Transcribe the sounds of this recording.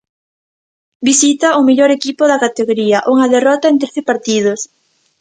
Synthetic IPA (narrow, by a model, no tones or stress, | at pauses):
bisit̪ɐʊmeʎoɾekipoðɐkat̪eɣoɾiɐʔuŋɐðerɔt̪aent̪ɾeθepaɾt̪ið̞ʊs